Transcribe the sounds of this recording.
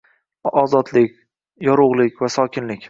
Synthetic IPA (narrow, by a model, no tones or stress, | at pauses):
ɒzɒd̪lɪkʲ | jɒɾʊʁlˠɪkʲvasɒkʲʰɪnlɪkʲ